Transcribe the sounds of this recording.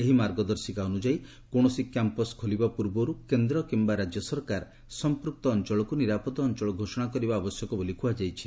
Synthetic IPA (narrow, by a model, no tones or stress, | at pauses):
eɦimaɾɡɔd̪ɔɾsikaonud͡ʒaj | koɽ̃ɔsikampɔskʰolibapuɾbɔɾukend̪ɾɔkimbaɾad͡ʒjɔsɔɾkaɾ | sɔmpɾuk̚t̪ɔːnt͡ʃɔɭɔkuniɾapɔt̪ɔːnt͡ʃɔɭɔɡʱosɔɽ̃akɔɾibaːbɔsjɔkɔbolikʰuad͡ʒajt͡ʃʰi̥